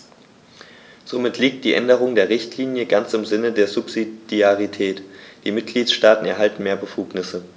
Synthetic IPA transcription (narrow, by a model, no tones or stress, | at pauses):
z̥omɪtʰliːk̚t̚d̥iːʔɛndəʁ̞ʊŋdeːɐʁ̞ɪçtʰliːnjəɡant͡sɪmzɪnədeːɐzupz̥id̥iaʁitʰɛːtd̥iːmɪt̚ɡ̥liːtʃtaːtn̩ɛɐɦaltn̩meːɐbəfuːknɪsə